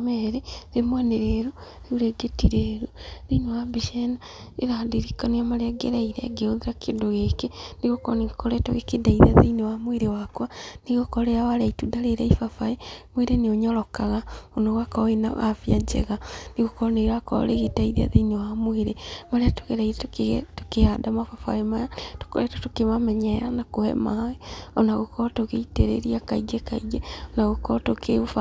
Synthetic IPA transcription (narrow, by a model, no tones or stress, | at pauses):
meɾeɾemwaneɾeɾu | ɾeuɾeɡetiɾeɾuɾinewabiʃena | eɾadiɾikaniamaɾeaɡḛɾaiɾḛɡeoðiɾakendoɣekeniɣokɔnikoɾɛtoɣekedaiðia̰ðḛinewamweɾewakwaniɣokɔɾeawaɾaitudaleɾaifafaemweɾeneoɲɔɾɔkaɣaonoɣwakaena̰afiad͡ʒɛ̰ɣaniɣokɔneɾwakɔ̰ɾeɣedaiðia̰ðeinewamweɾemaɾeato̥ɣedaiɾettokehadamafafa̰emajato̥koɾetotokemamɛɲɛanakohɛ̰maeɔnaɣokɔtoɣeiteɾḛɾiakaiɡekaiɡeɔnaɣokɔtokʰeufa